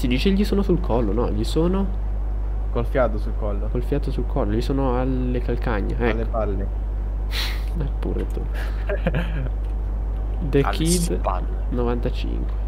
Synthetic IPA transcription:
sid̪iːt͡ʃeʎisoːnosulkʰɔlːonɔʎisoːno | kolfjaːt̪osulkɔlːokolfjaːt̪osulkʰɔlːoʎisoːnoalː | ekalkaɲːaɛlː | alːe | ɛpːṵɾḛt̪ṵ | d̪ekʰid̪ | alː | novant̪at͡ʃḭŋkwe

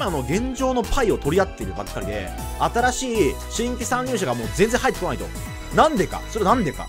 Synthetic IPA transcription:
imano̞ɡẽ̞ɲ̟d͡ʑo̞ːno̞pʰaio̞t̪o̞ɾʲiat̪ːe̞iɾɯ̟ba̰kːaɾʲid̪e̞̰ | at̪aɾaɕiː | ɕĩŋkʲisãɲːʲɨːɕ̬aɡamo̞ːzẽnd͡zẽɦait̪ːekonait̪o̞̰ | nãnd̪e̞ka̰so̞ɾe̞nãnd̪e̞ka̰

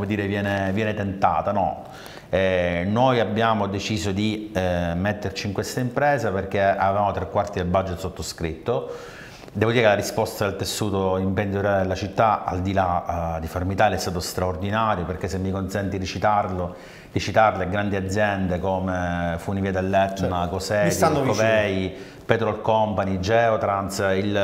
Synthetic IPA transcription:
mod̪iːɾevjɛːnevjɛːnet̪ent̪a̰ːt̪anɔ̰ | ɛnojabːjaːmod̪et͡ʃiːzod̪imet̪ːert͡ʃiːŋkwest̪aimpɾɛːzaperk̟ea̰vevaːmot̪ɾekːwart̪id̪elbad͡ʒet̪ːsot̪ːoskɾit̪ːo | d̪ɛːvod̪iːɾekelaɾispɔst̪ad̪elt̪esːuːt̪oimpend̪ioɾjad̪elːat͡ʃit̪ːaa̰ld̪ilad̪ifaɾmit̪aːliɛst̪aːt̪ost̪ɾaord̪inaːɾjoperk̟esːemːikonsɛnt̪iɾit͡ʃit̪arlo | d̪it͡ʃit̪arleɡɾand̪iad̪zːjɛnd̪ekomefunviːad̪elːɛt̪ːnakosɛːtsianoopɛi | pɛt̪ɾɔlkɔmpaɲid͡ʒɛot̪ɾansil

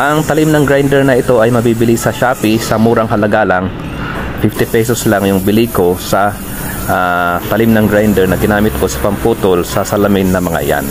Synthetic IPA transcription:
ʔɐŋt̪ɐlimnɐŋɡɾajnd̪ɛɹnɐɪt̪o̞ʔɐjmɐbibɪlisɐʃaːpɪsɐmuːɾɐŋhɐlɐɡalɐŋ | fɪft̪ɪpɛsoslaŋjʊŋbɪliko̞sɐ | ʔat̪ɐlimnɐŋɡɾajnd̪ɛɹnɐɡɪnaːmɪt̪̚ko̞sɐ̥pɐmpuːt̪olsɐsɐlɐmɪnːɐmɐŋa̰ja̰n

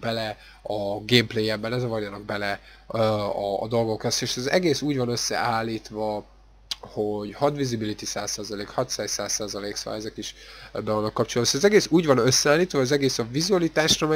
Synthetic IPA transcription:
bɛlɛ | ɒɡeːmpleːjɛbbɛlɛzɒvɒrjɒnɒɡ̚bɛlɛ | ɒ̰ːd̪o̞lɡo̞kɛseːʃzɛ̰ɡeːsuːɟvɒnø̞sːɛ̰aːlːiːt̪ʋɒ | ho̞ɟhɒd̪vizibilit̪isaːsːaːzɒleːkhɒt̪sɛssa̰ːsaːzɒleːksa̰jzɛkiʃbɛvɒnːɒkːɒp̚t͡ʃolɒd̪bɒsɛzɛɡeːsuːɟvɒnøsːɛaːliːt̪ʋɒzɛɡeːsɒvizuɒlit̪aːʃrɒmɛ

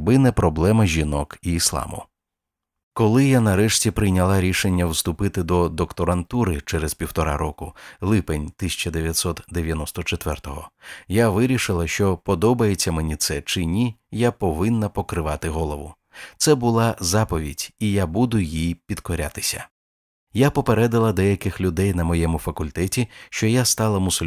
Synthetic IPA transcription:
bɪnɛpɾɔblˠɛmɐʒʲinɔkiːslˠɑ̰mʊ̰ | kɔlˠɪjanɐɾɛʃtʲipɾɪjnʲɐlˠɑɾʲiʃe̞nʲːɐwst̪ʊpɪt̪ɪd̪ɔd̪ɔkt̪ɔɾɐnt̪uɾɪt͡ʃɛɾezpʲiwt̪ɔɾɑ̰ɾɔkʊlˠɪpenʲt̪ɪsʲɐ̥t͡ʃɐd̪eʋʲjɐt̪ʲsɔt̪d̪eʋʲjɐnɔst̪ɔt͡ʃet̪ʋɛrt̪ɔɦɔ̰jaʋɪɾʲiʃɪlˠɐʃt͡ʃɔpɔd̪ɔbɐjet͡sʲːɐmenʲit̪sɛt͡ʃɪnʲijapɔʋɪnːɐpɔkɾɪʋɑt̪ɪɦɔlˠɔʋʊ | t̪sɛbʊlˠɑzɑpɔʋʲidʲijabud̪ʊjijpʲid̪̥kɔɾʲa̰t̪ɪ̥sʲɐ̰ | japɔpeɾɛd̪ɐlˠɐd̪ɛjɐkɪxlʲʊd̪ɛjnɐmɔjɛmʊfɐkʊlʲt̪ɛtʲiʃt͡ʃɔjast̪ɑlˠɐmʊsʊlʲ

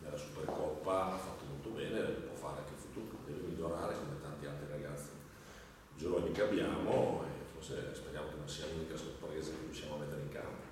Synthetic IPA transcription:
nelːasuperkɔpːaafːat̪ːomolt̪obɛːnepwɔfa̰ːɾeaŋkelfut̪uːkod̪ɛːvemiʎːoɾaːɾekomet̪ant̪ialt̪ɾiɾaɡat̪sːe | d͡ʒoɾoɲːikeabjaːmoḛforsḛspeɾjaːmokenõnsiːalunikasorpɾeːzakerjuʃjaːmoamet̪ːeɾeiŋka̰mpo

